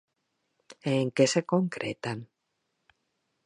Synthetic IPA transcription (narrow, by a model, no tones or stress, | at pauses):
eŋkesekoŋkɾʔet̪an